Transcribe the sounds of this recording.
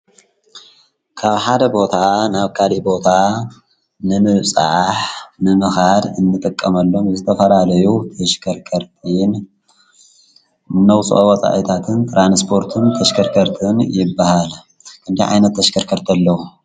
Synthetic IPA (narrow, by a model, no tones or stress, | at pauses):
kʰaβħad̪ɐbo̞t̪ʰanaβkʰalibo̞t̪ʰa | nɨmɨβsʼa̰ʕħnɨmɨxad̪ɨnːɨt̪ʼɨkʼːɐmɐlːo̞mzɨt̪ʰɐfɐlalɐjut̪ʰɐʃkʰɐɾkʰɐɾt̪ʰʼɨn | ɨnːɐwt͡sʼʔowɐt͡sʼa̰ʔit̪ʰat̪ʰɨnt̪ʰʼɾanspʰo̞ɾt̪ʰɨnt̪ʰɐʃkʰɐɾkʰɐɾt̪ʰɨnjɪbːahal | kʰɨnd̪ijʕa̰jnɐt̪ʰːɐʃkʰɐɾkʰɐɾt̪ʰɐlːɐwu